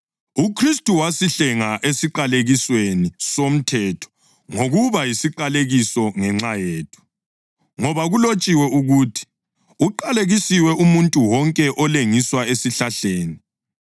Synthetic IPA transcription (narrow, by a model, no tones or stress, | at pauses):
ukʰristʼuwasiɬɛŋaʔesiǃaleɣiswenisom̩tʰɛtʰɔ̥ | ŋoɣuβajisiǃaleɣisɔŋɛŋ͡ǁajeːtʰu̥ | ŋɔβaɣulot͡ʃʼiwɛuɣuːtʰi̥ | uǃaleɣisiwɛumuntʼuwɔŋkʼɛʔɔleŋiswaesiɬaɬeːni